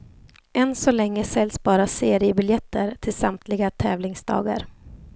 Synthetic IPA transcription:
ʔɛnsɔlɛŋːəsɛlːsbɑːɾaseːɾɪəbɪljɛt̪ʰːəɾt̪ʰɪlsamt̪ʰlɪɡat̪ʰɛːvlɪŋsd̪ɑ̰ːɡa̰ɾ

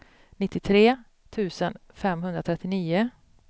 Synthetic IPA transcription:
nɪt̪ːɪt̪ʰɾeː | t̪ʰʉ̟ːsənfɛmɦɵnd̪ɾat̪ʰɾɛt̪ːɪniːʊ

